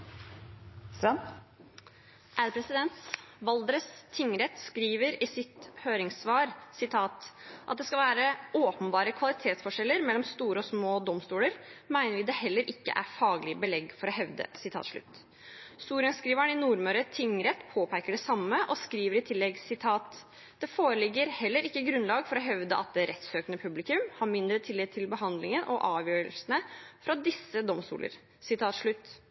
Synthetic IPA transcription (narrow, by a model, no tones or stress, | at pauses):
sɑn | ʔæɾpʰɾɛsɪd̪ɛnt̪ʋɑld̪ɾəst̪ʰːɪŋɾɛt̪skɾiːʋəɾɪsɪt̪høːɾɪŋsʋɑːɾsɪt̪ʰɑːt̪ʔɑt̪̚d̪ɛskɑlʋæːɾəoːpənbɑːɾəkʰʋɑlɪt̪ʰeːt̪sfɔʂɛlːəɾmɛlːɔmst̪uːɾəɔsmoːd̪ɔmst̪uːləɾmæɪnəɾʋɪd̪ɛhɛlːəɾʔɪkːə̰ʔæ̰ɾfɑːɡlɪəbəlɛɡfɔɾɔhɛʋd̪ə̰sɪt̪ʰɑ̰ːt̪ʂɭʉ̰t̪ː | st̪uːɾɪənskɾiːʋæɳɪnuːɾmœɾət̪ʰɪŋɾɛt̪ːpʰoːpʰæɪkəɖɛsɑmːəʔɔskɾiːʋəɾɪt̪ʰɪlːɛɡsɪt̪ʰɑːt̪ | d̪̥ɛfoːɾəlɪɡːəɾhɛlːəɾɪkːəɡɾʉnlɑːɡfɔɾɔɦɛʋd̪əʔɑ̰t̪̚d̪ɛɾʔɛt̪søːkənəpʰʉblɪkʉmhɑɾmɪnd̪ɾət̪ʰɪlːɪt̪ʰɪlbəɦɑnd̪lɪŋənʔɔʔɑːʋjøːɾəlsənəfɾɑd̪ɪsːəd̪ɔmst̪ṵːlə̰ɾ | sɪt̪ʰɑːt̪ʂɭʉt̪ː